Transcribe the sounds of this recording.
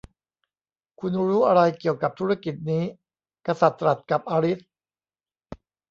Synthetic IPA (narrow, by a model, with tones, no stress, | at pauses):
kʰu˧nɾu˦˥ɾuː˦˥ʔa˧ɾa˧jki˨˩əwka˨˩p̚t̪ʰu˦˥ɾa˧ki˨˩t̪̚niː˦˥ | ka˧sa˨˩t̪ːɾa˨˩t̪̚ka˨˩p̚ʔaː˧ɾi˦˥t̪̚